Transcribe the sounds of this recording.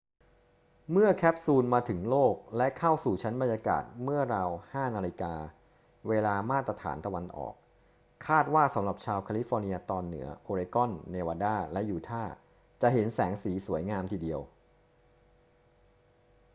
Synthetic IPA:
mɯ˥˩ɐkʰɛː˦˥p̚suː˧nmaː˧t̪ʰɯ˩˦ŋloː˥˩k̚lɛ˦˥kʰa˥˩wsuː˨˩t͡ɕʰa˦˥nba˧njaː˧ka̰ː˨˩t̪̚mɯ˥˩ɐɾa˧whaː˥˩naː˧li˧kaː˧ | weː˧laː˧maː˥˩t̪ɾa˧t̪ʰa̰ː˩˦nt̪a˧wa˧nʔɔ̰ː˨˩k̚ʰː | aː˥˩t̪̚waː˥˩sa˨˦mɾa˨˩p̚t͡ɕʰaː˧wkʰaː˧li˦˥fɔː˧ni˧ɐt̪ɔː˧nːɯ̰˩˦ɐʔoː˧ɾe˧kɔ˥˩nːeː˧waː˧daː˥˩lɛ˦˥ʔjuː˨˩t̪ʰaː˥˩ | t͡ɕa˨˩ɦe˩˦nsɛː˩˦ŋsiː˩˦su˩˦jŋaː˧mt̪ʰiː˨˩di˧əw

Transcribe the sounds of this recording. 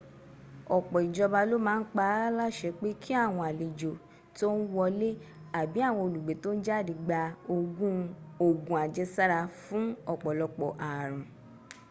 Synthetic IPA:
ɔ˨k͡pɔ˨i˨d͡ʒɔ˧ba˧lo˦mãː˨˦˧n̩˦k͡pa˧˦la˦ʃɛ˧k͡pe˦kʰi˦a˦˨w̃ɔ̃˧a˨le˨d͡ʒo˨ | to˦n̩˦wɔ˧le˦a˨bi˨˦a˦˨w̃ɔ̃˧o˨lu˨ɡ͡be˨˦to˦n̩˦d͡ʒa˦˨di˧ɡ͡ba˧o˧ɡũ˦o˦˨ɡũ˨a˨d͡ʒɛ˧sa˦ɾa˧fũ˦ɔ˦˨k͡pɔ˨lɔ˧k͡pɔ˨ʔa˨ɾ̃ũ˨

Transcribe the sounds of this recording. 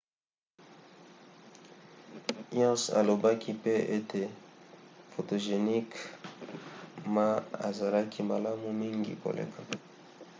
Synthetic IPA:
jɔ̃˦sa̰˨lo˨ba˦ki˦pe˦e˦tʰe˨ | fo˨to˨ʒe˨ni˦k | ma˦a̰˨za˨la˦ki˦ma˨la˦mu˨mi˦ŋɡḭ˨ko̰˨lḛ˨kʰa˨

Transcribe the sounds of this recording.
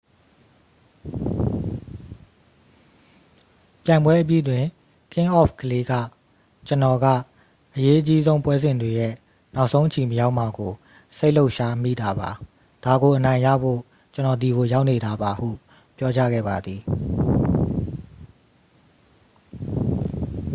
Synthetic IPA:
pjã˨ɪ̃mbwɛ˦ʔəp̬jḭ˦˨dwɪ̃˨ | kʰɪ̃˦ʔɔ˦˨fkəle˦ɡa̰˦˨ | t͡ɕənɔ˨ɡä̰˦˨ | ʔəje˦ʔət͡ɕi˦zõ˦ʊ̃mpwɛ˦zɪ̃˨ndwe˨jɛ˦˨ | na˦ʊʔsʰõ˦ʊ̃ʔət͡ɕʰi˨məja˦ʊʔma˨ɡo˨ | se˦ɪl̥o˦ʊʔʃa˦mḭ˦˨da˨ba˨ | d̥a˨ɡo˨ʔənã˨ɪ̃ja̰˦˨bo̰˦˨ | t͡ɕənɔ˨d̪i˨ɡo˨ja˦ʊʔne˨d̪a˨ba˨hṵ˦˨ | pjɔ˦t͡ɕa̰˦˨ɡɛ̰˦˨ba˨d̪ði˨

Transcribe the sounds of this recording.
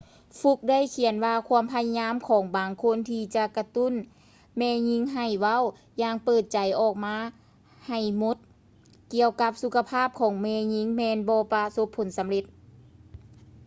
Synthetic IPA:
fu˧˥k̚da˥˨jkʰi˩˦ənwaː˧kʰu˧˥əmpʰa˧ja˧ɲaː˧˥˨mkʰɔː˩˦ŋbaː˨˩ŋkʰo˧˥˨nt̪ʰiː˧t͡ɕa˧ka˧t̪u˧˥˨n | mɛː˧˩ɲi˧˥ŋɦa˨˩jwa˧˥˨w | jaː˧˩ŋpɤː˨˩t̪̚t͡ɕa˨˦jʔɔː˨˩k̚maː˧˥ | ha˨˩jmo˧˥t̪̚ | ki˧˨əwka˧˦˥p̚su˧˥kʰa˧pʰaː˥˩p̚kʰɔː˩˦ŋmɛː˧ɲi˧˥ŋmɛː˧nbɔː˧pa˧so˧˦pʰːo˨˦nsa˨˦mle˧˦t̪̚

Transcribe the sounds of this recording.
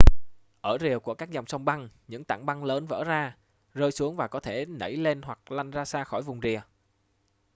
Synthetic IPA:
ʔəː˧˩zi˨˩əwku˧˩əkaː˦˥k̚za˨˩wŋ͡msə˧wŋ͡mɓa˧ŋɲɨ̰˧˥ŋt̪a̰ː˧˩ŋɓa˧ŋləː˨˦nvə̰ː˧˥zaː˧ | zəː˧jsu˨˦əŋvaː˨˩kɔ˨˦t̪ʰe˧˩nə̰˧˩jle˧nhwa˨˩k̚la˧jŋ̟zaː˧saː˧xɔ˧˩jvʊ˨˩ŋ͡mzi˨˩ə

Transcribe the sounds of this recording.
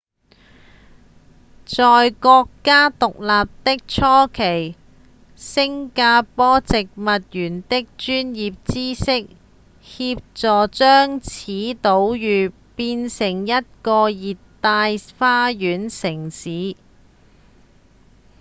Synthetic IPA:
t͡sɔː˨jkɔː˧kːaː˥t̪ʊ˨k̚laː˨p̚t̪ɪ˥k̚t͡sʰɔː˥kʰe˨˩j | sɪ˥ŋkaː˧pɔː˥t͡sɪ˨k̚mɐ˨t̚jyː˨˩nt̪ɪ˥k̚t͡ʃyː˥njiː˨p̚t͡siː˥sɪ˥k̚ | hiː˧p̚t͡sɔː˨˩t͡ʃœː˥ŋt͡sʰiː˨˥t̪o˨˧˥wjyː˨ | piː˧nsɪ˨˩ŋjɐ˥t̚kɔː˧jiː˨t̪ːaː˧jfaː˥jyː˨˥nsɪ˨˩ŋsiː˨˥

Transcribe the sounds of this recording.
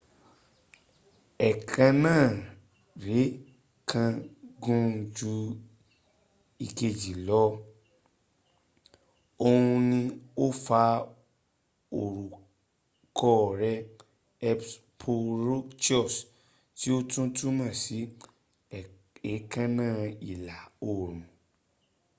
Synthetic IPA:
ɛ˨kʰã˧nãː˦˨ | ɾe˨˦ | kʰã˧ɡũ˦˧d͡ʒu˧ | i˧ke˧˨d͡ʒi˨lɔ˦ | o˧hũ˧nĩ˧o˦fa˧ | o˨ɾu˨ | kɔ˧˨ɾɛ˧ | ɛ˧ps | pʰo˧ɾo˦t͡ʃɔ˦˨s | ti˦o˦tũ˦tũ˦mã˦˨si˨˦ | ɛ˨˦kã˦nãː˦˨i˨la˨o˨ɾ̃ũ˨

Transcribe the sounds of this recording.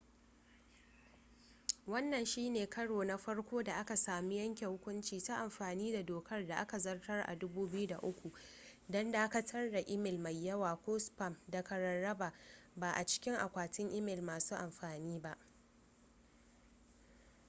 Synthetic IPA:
wɐ˦nːɐ˨nʃiː˦neː˨kʰɐ˦ɽoː˨na˦ɸɐ˦ɽkʷoː˦da˨ʔa˦ka˨saː˨mi˦jɐ˦ŋkʲe˨hʊ˦kʷʊ˦nt͡ʃiː˨ta˦ʔa˨mɸaː˨niː˦da˨doː˨kɐ˦rda˨ʔa˦ka˨zɐ˦rtɐ˦rʔa̰˨dʊ˦buː˦bɪ˦ju˦da̰˨ʔʊ˦kʷu˨ | dɐ˦nda˨ʔa˦ka˨tʰɐ˦rda˨ʔɪ˦mɪ˨lma˨jːɐ˦waː˨kʷʊː˦spɐ˨mda˨kɐ˨ɾɐ˨nːɐ˦ba˨baː˨ʔa˨t͡ʃɪ̥˦kʲɪ˦ŋʔa̰˨kʷaː˨tɪ˦ŋʔɪ˦mɪ˨lmaː˨suː˦ʔa˨mɸaː˨niː˦ba˦ʔ

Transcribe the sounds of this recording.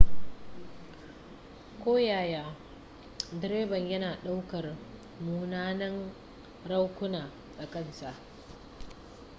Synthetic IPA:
kʷoː˦jaː˨jaː˨ | dɪ˨ɾeː˦bɐ˨ɲjɐ˦naː˨ɗa˦wkɐ˨r | muː˨naː˦nɐ˦ŋ | ɾa˦wkʷʊ˦naː˨ | ɗa˨kɐ˦˨nsa˨ʔ

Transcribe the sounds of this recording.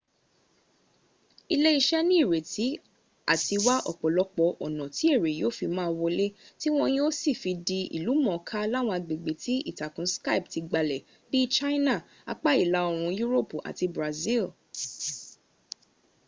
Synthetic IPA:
i˧le˦i˧ʃɛ˦nĩ˦i˦˨ɾe˨ti˨˦ | a̰˦˨ti˧wa˦ʔɔ̰˦˨k͡pɔ˨lɔ˧˦k͡pɔ˧ʔɔ˨nɔ̃˨ti˨˦e˦˨ɾe˨joː˦˨fi˧mãː˦˧wo˧le˦ti˦w̃ɔ̃˧j̃ĩ˦o˦si˦˨fi˧di˧ḭ˨lu˨˦mɔ̃˨˧kʰa˦la˦w̃ɔ̃˧a˧ɡ͡be˨ɡ͡be˨ti˨˦ḭ˦˨ta˨kũ˨˦ska˦i˨p̚ti˧ɡ͡ba˧lɛ˨ | bi˦t͡ʃa˦i˦na˦˨ | a̰˧k͡pa˦i˦˨la˨˧˦o˧ɾ̃ũ˧ju˦ɾo˦˨pu˨ʔa̰˨ti˧bɾa˨zi˦˨l

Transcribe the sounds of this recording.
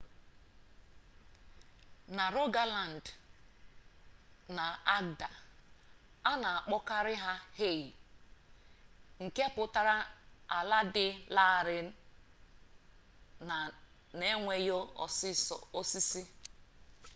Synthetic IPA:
na˨ɾo˦ɡa˦la˨n̩˨d | na˨a˦ɡda˨ | a˦na˨a˨k͡pɔ˦ka˦ɾɪ˦ɦa˦he˦˨ji˨ | ŋ̩˨ke˦a˦pʊ˨ta˦ɾa˦a˨la˦dɪ˦la˦˨ɾɪ˨˦˨ | ne˦ŋʷe˨jo̰˦˨sɪ˦sɔ˨o˦si˦si˦

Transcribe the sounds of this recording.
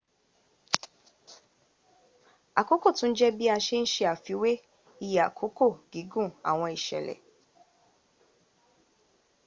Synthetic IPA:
a˨ko˦ko˦˨tũ˦n̩˦d͡ʒɛ˦bi˦a˧ʃe˦n̩˦ʃe˧a˨fi˨˦we˦ | i˧˨ja˨a̰˨kʰo˨˦ko˦˨ɡi˨˦ɡũ˦˨a̰˨w̃ɔ̃˧i˨ʃɛ̰˨lɛ̰˨

